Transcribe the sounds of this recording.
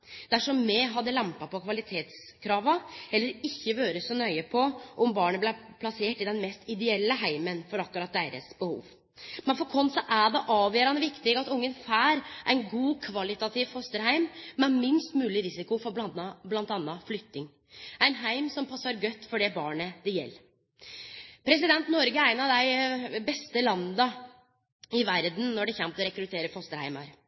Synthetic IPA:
d̪̥æʂɔmːɛɦɑd̪ːəlæmpɑpɔkʰʋɑlɪt̪ʰeːt̪s | kʰɾɑːʋɑɛlːəɾɪçːəʋøːɾəssɔnœʏəpʰɔʔɔmbɑːɳəblæpʰlɑseːʈɪd̪ɛnmɛst̪ɪd̪ɛɛlːəɦæɪmənfɔɾɑkːʊɾɑt̪̚d̪eːɾə̰sbəhṵːʋ | mɛnfɔɾkʰɔnsɔʔæɖ̪ɛʔɑːʋjøːɾɑnʋɪkt̪ɪɡɑt̪ʊŋːənfæːɾʔæɪnɡuːkʰʋɑlɪt̪ɑt̪ʰɪʋhɔst̪əɾhæɪmːɛmɪnst̪mʉːlɪɾɪsɪkʊfɔbɑnɑblɑnt̪ɑnːɑflʏt̪nɪŋ | æɪnɦæɪmsɔmpʰɑsːɑɾɡœt̪ːfɔɖɛbɑːɳəd̪ɛjɛ̰lː | pʰɾɛs̬ɪd̪ɛnt̪nɔɾɡəɾæɪnɑʋd̪æɪbɛst̪əlɑnd̪ɑ | ɪʋæɾd̪n̩nɔɖɛçɛmt̪ɔɾɛkɾʉt̪ʰeːɾəfɔst̪əɾhæ̰ɪmɑ̰ɾ

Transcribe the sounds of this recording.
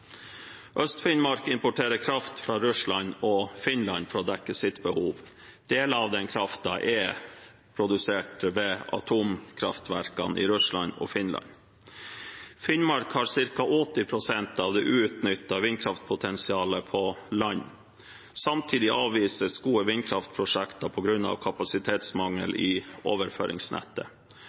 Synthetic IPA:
ʔœst̪fɪnmɑɾkɪmpʊʈʰeːɾəkʰɾɑft̪fɾɑːɾʉʂlɑɲɔfɪnlɑ̰nfɔɾɔːd̪ɛkːəsɪt̪bəhuːʋ | d̪̥eːləɑʋd̪ɛnkʰɾɑft̪ɑʔɛ | pʰɾʊd̪ʉseːʈəʋɛɑ̰t̪ʰuːmkʰɾɑft̪ʰʋæ̰ɾkɑ̰nʔɪ̰ɾʉslɑ̰nɔ̰ːfɪnlɑ̰n | fɪnmɑɾkhɑːɾsɪɾkɑʔɔt̪ɪpʰɾʊsɛnt̪ɑʋd̪ɛːʔʉːʉt̪nʏt̪ːɑʋɪnkʰɾɑft̪̚pʰʊt̪ʰɛnsɪɑːləpʰɔlɑɲː | sɑmt̪ʰiːd̪ɪʔɑːʋʋiːsəsɡuːəʋɪnkʰɾɑft̪̚pʰɾʊʂɛkt̪ɑpʰɔɡɾʉnːɑ̰ʋkʰɑpɑsɪt̪ʰeːt̪smɑŋːəlɪoːʋəɾfø̰ːɾʔɪ̰ŋsnɛ̰t̪ːə

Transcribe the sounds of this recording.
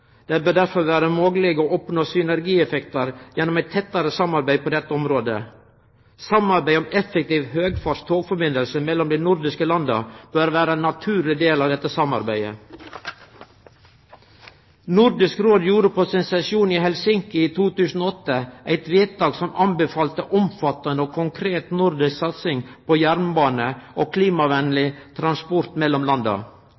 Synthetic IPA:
d̪̥ebøːd̪æɾfɔɾʋæːɾəmoːɡəlɪɡoːʔɔpnoːsʏnæɾɡiːɛfɛkt̪ɑɾjɛnːɔmæɪt̪ʰːɛt̪ːəɾəsɑmɑɾbæɪpʰoːd̪ɛt̪ːəɔmɾoːd̪ə̰ | sɑmɑɾbæɪɔmɛfɛk̚t̪iːʋhøːɡfɑːʂt̪ʰoːɡfɔɾbɪnəlsəmɛlːɔmd̪æɪnʊɾd̪ɪskəlɑnd̪ɑ̰b̥øːɾʋæːɾənːɑt̪ʰʉːɾlɪd̪eːlɑːʋd̪ɛt̪ːəsɑmɑ̰ɾbæɪə̰ | nʊɾd̪ɪskɾoːd̪juːɾəpʰoːsɪnsɛʃuːniːhɛlsɪŋkɪiːt̪ʰuːt̪ʉːsn̩oːɔt̪ːəʔæɪt̪ʋeːt̪̚d̪ɑːɡsɔmʔɑmbəfɑːlt̪əʔɔmfɑt̪ɑnəoːkʰʊŋkʰɾeːt̪nʊɾd̪ɪsksɑt̪sɪŋpʰoːjæɾnbɑːnəʔoːkʰliːmɑʋɛnlɪt̪ʰɾɑnspɔɾt̪mɛlːɔmlɑnd̪ɑ̰

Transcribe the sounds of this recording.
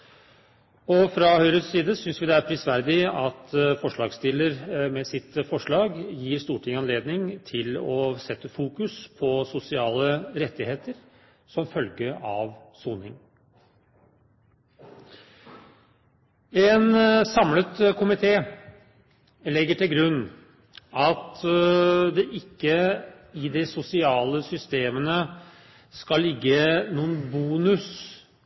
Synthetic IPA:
ɔfɾɑhœʏɾəssiːd̪əsʏnsʋɪd̪ɛæɾpʰɾɪsʋæɾd̪ɪɑt̪fɔʂɭɑːɡst̪ɪlːəɾmɛsɪt̪fɔʂɭɑːɡjiːɾst̪uːʈʰɪŋəɑnleːd̪nɪŋt̪ʰɪlɔsɛt̪ːəfuːkʉspʰɔsʊsɪɑːləɾɛt̪ːɪheːt̪əɾ | sɔmfœlɡəɑʋ | suːnɪŋ | ɛnsɑmlət̪kʰʊmɪt̪ʰeː | lɛɡːəʈɪlɡɾʉnː | ɑt̪ | d̪ɛʔɪkːə | ɪd̪ɛsʊsɪɑːləsʏst̪eːmənə | skɑlːɪɡːənuːənbuːnʉs

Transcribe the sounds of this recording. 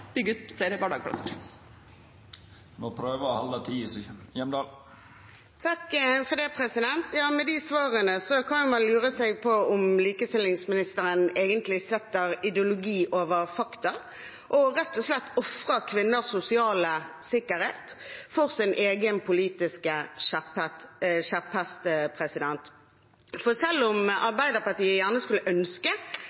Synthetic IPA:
d̪̥yɡːʉt̪fɾed̪əbɑɖɑːɡpʰlɑ̰səɾ | moːpʰɾøːʋəɔhɑlət̪ʰiːsyənjɛmd̪ɑːl | t̪ʰɑkfɔd̪ɛpʰʁɛsɪd̪ɛnt̪jɑːmɛd̪isʋɑːʁənəsɔkʰɑnjʊmɑnlʉːʁəsɛɡ̚pʰɔʊmliːkəst̪ɪlɪŋsmɪnɪst̪əʁəneːɡənt̪lɪsɛt̪ːəʁɪd̪ɛʊlʊɡiːʔoːʋəʁfɑkt̪ɑ | ʔɔʁɛt̪ːɔslɛt̪ːɔfʁəkʰʋɪnːəsːʊsɪɑːləsɪkəʁheːt̪fɔʁsɪnʔeːɡənpʰʊliːt̪ɪskəʃæpɛt̪ʃæphæst̪əpʰʁɛsɪd̪ɛnt̪ | fɔsɛlːʊmʔɑʁbæɪd̪əpɑt̪iːəjæʁnəskʉlːəʔœnskə

